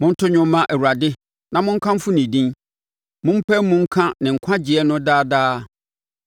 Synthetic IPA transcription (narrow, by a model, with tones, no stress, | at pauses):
mʊ̃˦n̩˦tʰʊ˦ɲᶣʊ̃˦mːã˦ʔæ˨wu˨ɾa˨dɪ˦ | nã˨mʊ̃˦ŋ̩˦kʰã˦m̩˦fʊ˦nĩ˨dĩ˦n | mʊ̃˦m̩˦pʰæ˦mʊ̃˦ŋ̩˦kʰã˦nɪ̃˨ŋ̩˨kʷʰã˦d͡ʑɪ˨ɛ˦nʊ̃˦daː˦daː˦